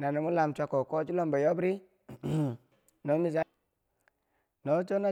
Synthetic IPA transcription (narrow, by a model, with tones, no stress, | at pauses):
na˨no˨mu˦la˨mt͡ʃʷa˦ko˨ko˦t͡ʃu˦lo˦mba˨jo˦bɾi˦ | no˨˦mi˦˨s̬a˦ | no˨˦t͡ʃo˦na˦